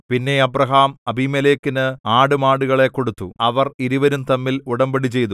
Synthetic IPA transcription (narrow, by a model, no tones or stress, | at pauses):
pinːe̞ɐbrɐɦaːmɐbimeleːkːinɨaːɽumaːɽuɣɐɭe̞kːo̞ɽut̪ːṵɐʋɐriɾuʋɐɾumt̪ɐmːiluɽɐmbɐɽit͡ɕe̞jt̪u